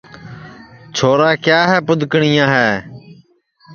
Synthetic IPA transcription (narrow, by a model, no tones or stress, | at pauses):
t͡ʃʰoːɾaːkjaːɦɛːpʊd̪ʱkɳɪjãːɦɛː